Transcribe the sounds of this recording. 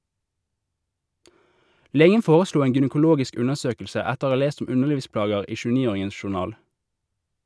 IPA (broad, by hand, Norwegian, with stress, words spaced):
ˈleːɡən ˈfoːʁəˌsluː ˈeːŋ ɡʏnəkʊˈloːɡɪsk ˈʉnəʁˌsøːkl̩sə ˈɛtəʁ ˈoː ˈɑː ˈleːst ˈʊm ˈʉnəʁˌliːʋˌsplɑːɡəʁ ˈiː ˌʃʉːˈniːˌoːʁɪŋən ʃʊʁˈnɑːl